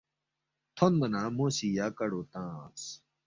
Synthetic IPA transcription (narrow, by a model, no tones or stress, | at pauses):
t̪ʰonmɐnãːmoːsijaːkɐɽoːt̪ãːs